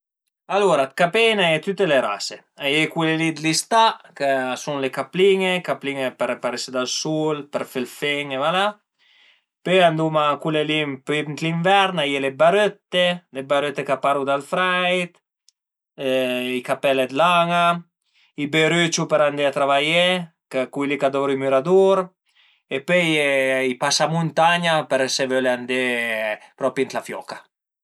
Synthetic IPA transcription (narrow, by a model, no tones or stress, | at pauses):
aluɾat̪̚kapenaɛt̪yt̪ːeleɾa̰se | ajikwulelid̪list̪akasuŋlekapliŋekapliŋepeɾpaɾised̪alsulpəɾfelfɛŋevala | pøand̪umakulelimpit̪liɱvɛɾnajilebaɾøt̪ːelebaɾøt̪ːekapaɾud̪alfɾajt̪ | ikapɛlɛd̪laŋa | ibeɾyt͡ʃupɛɾand̪ɛat̪ɾavajɛ | kakujlikad̪ɔɾimyɾad̪uɾ | epøɛipasamunt̪aɲapɛɾsɛvølɛand̪e | pɾɔpint̪lafjɔ̰ka